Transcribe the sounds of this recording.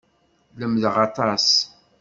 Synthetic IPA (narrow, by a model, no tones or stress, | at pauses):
ləmðʁɑt̪ˤɑs